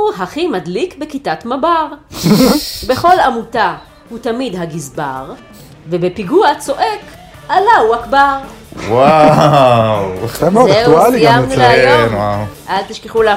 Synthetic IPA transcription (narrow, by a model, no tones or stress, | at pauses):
uɦaχimadlikbekitatmabaʁ | be̞χo̞lamuta | hut̪amidɦaɡizbaʁ | vebepiɡuat͡so̞ʔe̞k | alauakbaʁ | wa | weχemozeualiamnilajnwaʔalt̪iʃkeχula